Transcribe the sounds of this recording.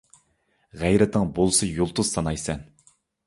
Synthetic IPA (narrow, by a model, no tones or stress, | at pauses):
ʁæjɾɛt̪ɨŋbolˠsɨjolˠt̪ʊz̥sɑnɑjsɛn